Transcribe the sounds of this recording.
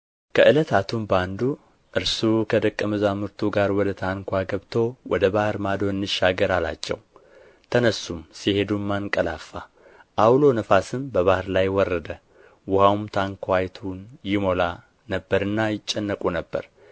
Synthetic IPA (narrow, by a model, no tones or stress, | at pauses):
kʰəʔɨlət̪ʰat̪ʰumband̪u | ʔɨɾsukʰəd̪əkʼːəmɨzamɨɾt̪ʰuɡaɾwɔd̪ət̪ʰaŋkʰʷaɡəβt̪ʰo̞wɔd̪əbahɾmad̪o̞nːɨʃːaɡəɾala̰t͡ʃːɛ̰w | t̪ʰənəsːumsihe̞d̪umːankʼəlafːa | ʔawlo̞nəfasɨmbəβahɨɾlajwɔrːəd̪ə | wʊhawmt̪ʰaŋkʰʷajt̪ʰunjɪmo̞la | nəbːəɾɨnːajɪt͡ʃʼːɛnːəkʼunəbːə̰ɾ